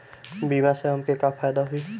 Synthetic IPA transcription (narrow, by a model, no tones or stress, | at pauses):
biːmaseɦəmkekapʰaːjd̪aɦʊiː